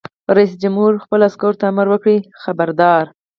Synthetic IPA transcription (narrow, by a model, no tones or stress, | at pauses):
ɾais̬d͡ʒamhuɾxpəlaskoɾt̪aːmaɾwəkɽixabaɾd̪ɑɾ